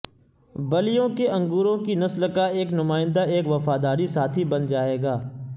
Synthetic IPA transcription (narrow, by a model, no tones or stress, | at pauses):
bɐlijõkeʔɐ̃ŋɡuːɾõkinɐsləkaeːknʊmaːɪ̃nd̪aeːkʋɐfaːd̪aːɾisaːt̪ʰibɐnd͡ʒaːeːɡaː